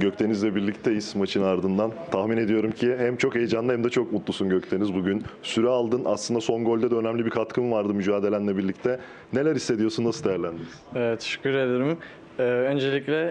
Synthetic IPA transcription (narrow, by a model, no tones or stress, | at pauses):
ɟøct̪ʰe̞nizlʲɛbiɾlʲict̪ʰejiz̥maʃinaɾd̪ɯnd̪ant̪ʰaxmine̞d̪ijo̞ɾumcʰihæmt͡ʃʰo̞ke̞jd͡ʒanˠɯhæmd̪ɛt͡ʃʰo̞kmut̪lˠusunɟøct̪ʰe̞nizbuɟynsyɾɛalˠd̪ɯna̰slˠɯnd̪aso̞ŋɡo̞lʲd̪ɛd̪ɛø̞næmlʲibiɾkʰat̪kʰɯmvaɾd̪ɯmyd͡ʒaːd̪elʲænlʲɛbiɾlʲic̚t̪ʰɛ | ne̞lʲæɾisːed̪ijo̞sunːasɯd̪ejæɾlʲænd̪iniz̥ɛɛt̪ʰːe̥ʃy̥cʲːyɾed̪eɾɯm | ɛønd͡ʒe̞lʲiclʲɛ